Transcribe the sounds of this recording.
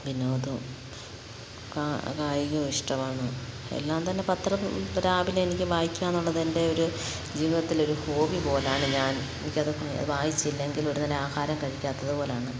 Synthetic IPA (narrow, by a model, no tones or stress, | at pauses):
binːoːðu | kakaːjiɣɐiʂʈɐmaːɳɨḛlːaːmt̪ɐnːe̞pɐt̪rɐmɾaːbilenikʲːɨʋaːjikʲːaːnːuɭːɐðende̞o̞ɾu | d͡ʑiːʋiðɐt̪ːilo̞ɾuho̞ːʋipo̞ːleaːɳɨɲaːn | e̞nikʲːɐðɨ | ɐ̰ðɨʋaːjit͡ɕːilːɐeŋɡilo̞ɾunɐleaːhaːɾɐmkɐɻikʲːaːt̪ːɐðɨpo̞ːleaːɳɨ